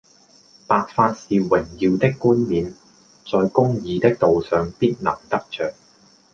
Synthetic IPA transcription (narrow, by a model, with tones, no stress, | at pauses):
paː˨k̚faː˧t̚siː˨wɪ˨˩ŋjiː˨˧wt̪ɪ˥kːuː˥nmiː˨n | t͡sɔː˨jkʊ˥ŋjiː˨˧t̪ɪ˥k̚t̪o˨wsœː˨ŋpiː˥t̚nɐ̰˨˩ŋt̪ɐ˥k̚t͡ʃœː˨k̚